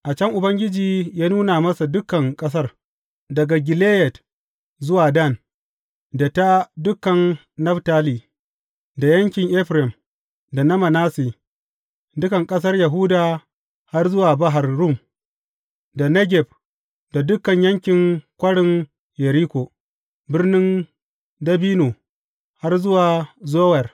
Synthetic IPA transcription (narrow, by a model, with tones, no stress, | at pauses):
ʔa˨t͡ʃɐ˦ŋʔʊ˨bɐ˦ŋɡʲɪ˦d͡ʒiː˨jaː˦nuː˦na˨mɐ˦sa˨dʊ˦kɐ˨ŋkʼɐ˦s̬ɐ˦r | dɐ˨ɡa˨ɡʲɪ˨leː˦jɛ˨t | zʊ˦waː˨da˦˨n | da˨ta˦dʊ˦kːɐ˨n | nɐ˦ɸtaː˦liː˨ | da˨jɐ˦ŋkʲɪ˨ŋʔɛ˦ɸɾɛ˨m | da˨nɐ˦ma˨naː˦siː˨ | dʊ˦kɐ˨ŋkʼɐ˦s̬ɐ˦rja˨ɦʊ˦daː˨ | ha˦rzʊ˦waː˨ba˦ɦa˨rːʊ˦˨m | da˨nɐ˦ɡʲɛ˨b | da˨dʊ˦kːɐ˨ɲjɐ˦ŋkʲɪ˨ŋkʷɐ˦ɽɪ˨ŋ | jɛ˨ɾi˦kʷoː˨ | bɪ˦rnɪ˦n | dɐ˦biː˦noː˨ | ha˦rzʊ˦waː˨zoː˦wɛ˨r